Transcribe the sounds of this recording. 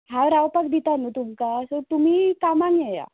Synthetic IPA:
ɦãwɾaʋpakd̪it̪anut̪umkasɔt̪umiːkamaŋjɛja̰

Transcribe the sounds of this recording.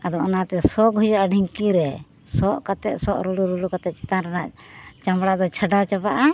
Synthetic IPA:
ad̪ɔɔnat̪ɛsɔkɦujaʔaɖʱiŋkiɾɛ | sɔʔkat̪ɛt̪̚sɔʔɾuɽuɾulukat̪ɛt͡ʃɛ̥t̪anɾɛnaʔ | t͡ʃamɽad̪ɔt͡ʃʰəɖat͡ʃapaʔa

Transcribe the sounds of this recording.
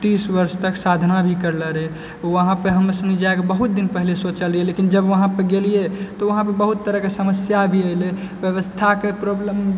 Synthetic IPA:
t̪isbəɾst̪əksad̪ʱnabʱikəɾləɾe | oəɦãpəɾɦəməsənid͡ʒaekebəɦut̪̚d̪inpəɦilesot͡ʃəlɾijelekind͡ʒəbʋəɦãpəɡelijet̪ɔʋəɦãpəbəɦut̪ːəɾəkesəməsjabʱiəɪle | bjəʋəst̪ʰakepɾoblem

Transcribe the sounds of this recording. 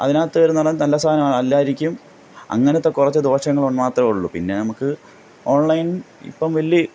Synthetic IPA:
ɐ̰ðinaːt̪ːɨʋɐɾunːɐɭːɨnɐlːɐst̪ʰaːɐnɐmaːɭɐlːaːjiɾikʲːum | ɐ̰ŋːɐnet̪ːe̞kːurɐt͡ɕːɨd̪o̞ːɕɐŋːɐɭuɳːaːt̪rɐuɭːupinːe̞nɐmukːɨ | o̞ːɳlɐjnḭpːɐmʋɐlːi

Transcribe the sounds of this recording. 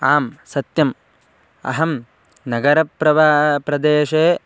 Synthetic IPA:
aːmsɐt̪jɐm | ɐ̰ɦɐm | nɐɡɐɾɐpɾɐʋaːpɾɐd̪eːʃeː

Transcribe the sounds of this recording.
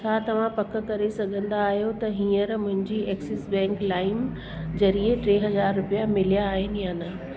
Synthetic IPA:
t͡ɕʰaːt̪ɐʋ̤ãpɐk̆kɐɾesɐɡʱə̃nd̪aːɦjot̪ɐɦĩːə̃ɾmʊ̃ɦɪ̃ɲd͡ʑiːʔɛːksɪsbɛ̃ːŋklaːɪm | zɐɾieʈɾeːɦɐzaːɾːʊpijamɪlijaːɦɪnɪjaːnaː

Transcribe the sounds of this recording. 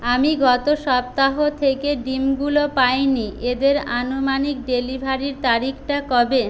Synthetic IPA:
amiɡɔt̪oʃɔp̚t̪aɦot̪ʰekeɖimɡulopajnied̪eɾanomanik̚ɖelibʱaɾiɾt̪aɾikʰʈakɔbe

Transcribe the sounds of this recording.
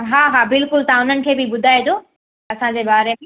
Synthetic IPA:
ɦaːɦaːbɪlkʊlt̪ɐãʊn̤ənɪ̆kʰeːbɪbʊd̪ʱaːed͡ʑoː | ɐsãd͡ʑebaːɾe

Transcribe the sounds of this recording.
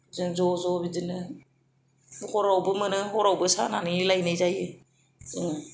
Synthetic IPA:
zɯnzɔzɔbidɯnɯ | hɔɾawbɯmɯnɯhɔɾawbɯsa̰nanɯlajnɯjzajɯ

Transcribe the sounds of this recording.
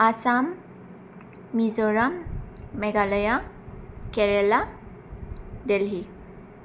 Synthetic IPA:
asam | izɔɹamːɛɡalɔja | kɛɹɛla | dɛlɦi

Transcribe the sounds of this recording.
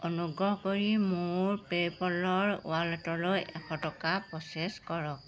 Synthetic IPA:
ɔnuɡɹɔɦkoɹimuʊɹpepɔlɔɹʊ̰walɔtɔlojʔɛkʰɔtɔkapɹɔseskɔɹɔk̚

